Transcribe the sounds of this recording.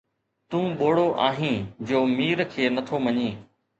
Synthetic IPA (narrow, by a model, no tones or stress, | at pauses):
t̪ũːɓoːɽoʔaːɦĩːd͡ʑoːmiːɾkʰeːnɐt̪ʰomɐɲĩː